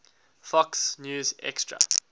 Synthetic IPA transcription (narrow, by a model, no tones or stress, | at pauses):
fɔksnjuːzɛ̰kstɹa̰